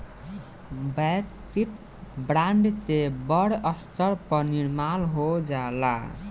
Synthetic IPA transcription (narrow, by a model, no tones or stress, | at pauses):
bɛkt̪it̪ | bɾaɳɖt̪ebəɽəst̪əɾpəniɾmalɦod͡ʒala̰